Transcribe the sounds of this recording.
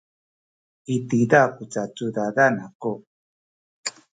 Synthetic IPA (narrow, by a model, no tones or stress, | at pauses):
it̪id̪akut͡sat͡sud̪adanako